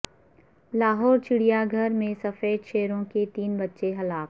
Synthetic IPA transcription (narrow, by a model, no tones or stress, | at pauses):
laːɦɔːɾt͡ʃɪɽijaɡʱɐɾmẽsɐfeːd̪ʃeːɾõket̪iːnbɐtːʃeɦɐlaːk̚